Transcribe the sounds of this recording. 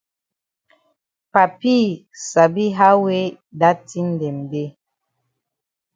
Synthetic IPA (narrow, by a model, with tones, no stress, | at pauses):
pa˨pi˦˨ | sa˨bi˦ɦa˦we˦ | da˦ti˦n̩˨dɛ˨mbe˦